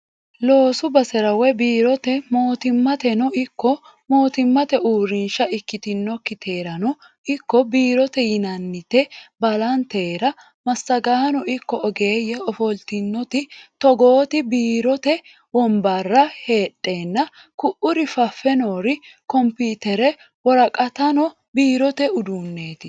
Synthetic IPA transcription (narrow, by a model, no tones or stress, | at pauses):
lo̞ːsʊbɐsɛɾɐwɛbiːɾɔt̪ɛmo̞ːt̪ɪmːɐt̪ɛnɔʔɪkːɔ | mo̞ːt̪ɪmːɐt̪ɛʔuːɾɪnʃɐɪkːɪt̪ɪnːɔkːɪt̪ʰeːɾɐnɔ | ɪkːɔbiːɾɔt̪ɛjɪnɐnːɪt̪ɛbɐlɐnt̪e̞ːɾɐ | mɐsːɐɡaːnɔʔɪkːɔɔɡeːjɛɔfɔlt̪ɪnːɔt̪ɪt̪ɔɡo̞ːt̪ɪbiːɾɔt̪ɛ | wɔmbɐrːɐhe̞ːtʼːe̞ːnːɐ | kʊʔʊɾɪfɐfːɛnoːɾɪkɔmpiːt̪ɛɾɛ | wɔɾɐkʼɐt̪ɐnɔ | biːɾɔt̪ɛʊd̪uːnːe̞ːt̪ɪ